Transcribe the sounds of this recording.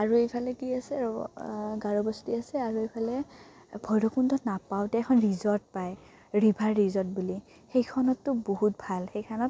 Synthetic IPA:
aɹuejpʰalɛkiasɛɔɡaɹɔbɔstiasɛaɹuejpʰalɛ | bʱɔjɹɔkundɔnapawtɛkʰɔnɹizɔɹt̚paj | ɹibʱaɹːizɔt̚buli | xejkʰɔnɔtːʊboɦut̚bʱalxejkʰanɔt

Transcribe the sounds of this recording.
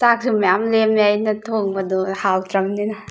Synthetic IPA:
sak̚simajamlemajnɐtʰoŋbɐdɔhawtɾɐmninɐ

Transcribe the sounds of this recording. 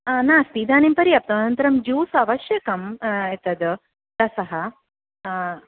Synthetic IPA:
naːst̪iːd̪aːnempɐɾiɐp̚t̪ɐnɐnt̪ɐɾɐmd͡ʒuːsɐʋɐʃjɐkɐmet̪ɐd̪ɨ | t̪ɐsɐɦɐ

